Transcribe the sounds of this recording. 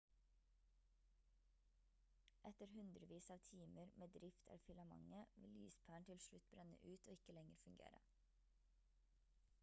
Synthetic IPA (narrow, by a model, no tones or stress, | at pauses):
ʔɛt̪əɾhʉnd̪ɾəʋiːsɑːʋt̪ʰiːməɾmʔeːd̪ɾɪft̪ʰæ̰ːfʏlɑmɑ̰ŋəʋɪly̰ːspʰæːɳt̪ʰɪlʃɭʉt̪̚bɾɛnə̰ʔʉːt̪oːɪkəlɛŋəɾfʉŋɡḛːɾə̰